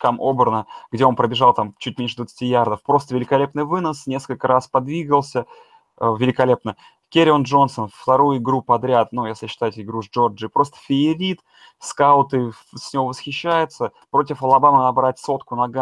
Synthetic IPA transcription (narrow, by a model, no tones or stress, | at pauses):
kamʔo̞bərnəɡ̥dʲe̞o̞npɾəbʲɪʐɑlˠt̪amt͡ɕutʲmʲenʲʂɨd̪vət̪sɨ̥tʲijard̪əfpɾo̞st̪əvʲɪlʲɪkɐlʲe̞pnɨjvɨnəsnʲe̞skəlʲkəɾaspɐd̪vʲiɡəlˠsʲə | vʲɪlʲɪkɐlʲe̞pnə | kʲeɾʲɪnʐo̞nsənfft̪ɐɾujʊɪɡɾupɐd̪ɾʲat̪nujesʲlʲɪɕːɪ̥t̪aɪtʲɪɡɾuzd͡ʒo̞rd͡ʒɨpɾo̞st̪ə̥fʲɪɪɾʲit̪ | skaʊt̪ɨ | sʲnʲɪvovəsxʲɪɕːæjɪt̪səpɾo̞tʲɪfɐlˠɐbamənɐbɾat̚ʲso̞t̪kʊnɐɡa